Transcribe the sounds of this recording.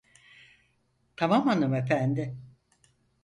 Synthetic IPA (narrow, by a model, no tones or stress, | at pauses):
t̪ʰamamanɯmefænd̪ɪ